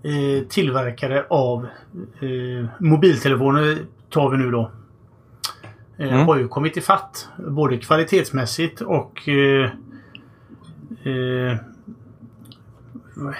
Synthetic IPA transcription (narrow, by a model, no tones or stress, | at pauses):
t̪ʰɪlːvæɾkʰaɾəʔav | mʊbiːlt̪ʰɛlɛfoːnəɾ | t̪ʰɑːɾvɪnʉ̟ːd̪ɔ | haɾjɵkʰɔmːɪt̪ɪfat̪ːboːd̪əkʰv̥alɪt̪ʰeːt̪smɛsːɪt̪ɔk